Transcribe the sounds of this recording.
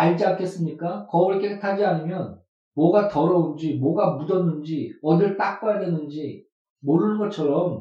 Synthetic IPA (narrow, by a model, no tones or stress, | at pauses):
aɭd͡ʑiakʰe̞s͈ɯmɲik͈akʌɯɭk͈ʰekʰtʰad͡ʑianɯmjʌn | mwʌɡatʌɾʌund͡ʑimwʌɡamudʌnːɯnd͡ʑiʌdɯɭt͈ak̚p͈ajadwe̞nɯnd͡ʑiː | oɾɯnɯnɡʌt͡ɕʰʌɾʌm